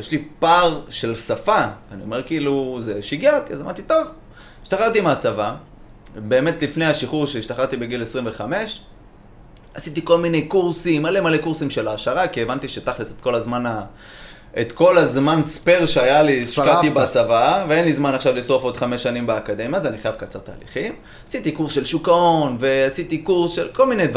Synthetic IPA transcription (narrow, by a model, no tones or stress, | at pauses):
jeʃlipaʁʃe̞lsafaːnio̞̰me̞ʁkiːluzeʃiɡjaʁt̪iazama̰ʁt̪it̪o̞v | iʃt̪aχaʁt̪imat͡sava | beːmet̪lifnejaʃiχuʁʃeiʃt̪aχaʁt̪ibeɡilesʁimve̞χame̞ʃ | asit̪iko̞lmine̞jkuʁsimalemale̞kuʁsimʃe̞laːʃaʁakievant̪iʃetaχliset̪ko̞lazmana | et̪ko̞lazmanspeʁʃeajaliʃʃkat̪ibat͡savaveenlizmanaχʃavlisʁofo̞d̪χame̞ʃːanimbeakad̪e̞mjaazaniχajavkat͡saʁt̪a̰ːlḭχim | asit̪ikuʁsʃe̞lʃukao̞nve̞asit̪ikuʁsʃelko̞lminejd̪v